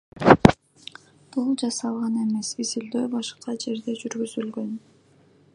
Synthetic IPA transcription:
b̥ulˠd͡ʒɑsɑlˠʁɑne̞me̞sizild̪øjbɑʃqɑd͡ʒe̞ɾd̪e̞d͡ʒyɾɡyzylɡø̞n

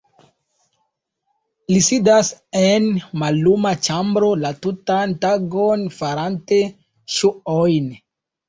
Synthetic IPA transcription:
lisidasenmalːumat͡ʃambɾolatutantaɡonfaɾante̞ | ʃuojn

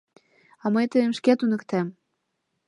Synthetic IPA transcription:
ɑmɤjt̪əjəmʃket̪unɤ̆kt̪æm

